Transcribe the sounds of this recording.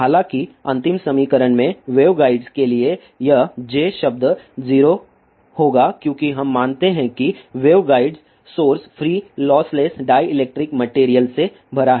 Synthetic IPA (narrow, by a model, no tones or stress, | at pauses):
ɦaːlãːkiɐ̃nt̪ɪmsɐmiːkəɾəɳmẽʋeːʋɡaːɪɖzkelie | jɐɦd͡ʒeːʃɐb̚d̪ziːɾo | hoːɡakjõːkiɦɐmːãːnt̪eɦɛ̃kiʋeːʋɡaːɪɖz | soːɾspʰɾiːlɔːsleːsɖaːjɪleːk̚ʈɾɪkmɐʈeːɾijəlse | bʱɐɾaɦɛ